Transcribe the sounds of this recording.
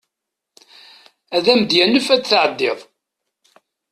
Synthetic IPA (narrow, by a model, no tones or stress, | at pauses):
æðæmd̪jænəfæt͡sːθʕəd̪ːɪðˤ